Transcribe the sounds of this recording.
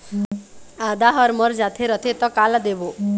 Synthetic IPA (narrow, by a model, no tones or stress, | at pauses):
ad̪aɦɔɾmɔɾd͡ʒat̪ʰeɾʌt̪ʰet̪ɔkalad̪ebo